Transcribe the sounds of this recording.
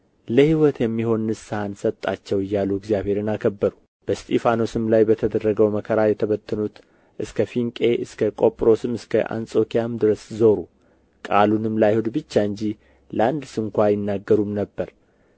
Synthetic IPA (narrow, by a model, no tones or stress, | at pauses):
ləhiwɔt̪jɛmːiho̞nːɨsɨhansət̪ʼːat͡ʃːɛwɨjːaluɛɡzjaβhe̞ɾɨnakʰəbːəɾu | b̥əst̪ʰʼefano̞sɨmlajbət̪ʰəd̪ərːəɡəwməkʰəɾajɛt̪ʰəβət̪ʰːɨnut̪ | ʔɨskʰəfiŋkʼe̞ʔɨskʰəkʼo̞pʼɾo̞sɨmɨskʰə̰ʔa̰nsʼo̞kʰijamd̪ɨɾəszoɾu | kʼalunɨmlajhud̪bɨt͡ʃːaɨɲd͡ʒi | ləand̪ɨsɨŋkʷajɪnːaɡːəɾumnəbːəɾ